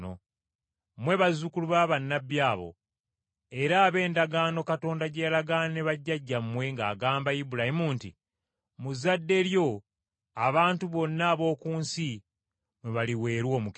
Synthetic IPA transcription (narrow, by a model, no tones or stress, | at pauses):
o̰ | mwe̞βazukuluβaβanːabjaːβo̞̰ | e̞ɾaːβe̞ːndaɡaːno̞kato̞ːndaɟejlaɡaːnaneβaɟːaɟːamːwe̞ŋɡa̰ːɡaːmbaibuɾahimuːnti | muzːadːe̞ɾjo̞ | aβaːntuβo̞nːaːβo̞ːkuːnsi | mweβaliwe̞ːɾwo̞ːmuk